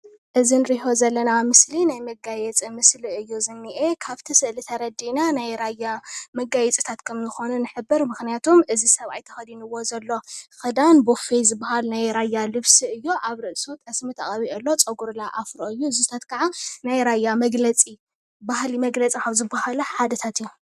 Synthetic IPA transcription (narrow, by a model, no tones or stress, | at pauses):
ʔɨzinɨɾiho̞zɐlːɐnamɨslinajmɐɡajɛt͡sʼimɨsliɨjːozɨnːiʔekʰaβt̪ʰisɨʔlit̪ʰɐɾɐd̪inanajɾajːamɐɡajɛt͡sʼi̥t̪ʰat̪kʰɐmzɨxo̞nunɨħɨbːɨɾmɨxnijat̪ʰomʔɨzisɐβʔa̰jt̪ʰɐxɐd̪inɨwo̞zɐlːo̞xɨd̪anbofizɨbːahalnajɾajːalɨβsiɨjːoʔaβɾɨʔsot̪ʼɐsmit̪ʰɐχʼɐβiʔɐlːo̞t͡sʼɐɡuɾlaʔafɾoɨjːuzuɨt̪ʰat̪kʰaʕanajɾajːamɐɡlɐt͡sʼi | bahlimɐɡlɐt͡sʼikʰaβzɨbahalɐħad̪ɐt̪ʰat̪ɨjːu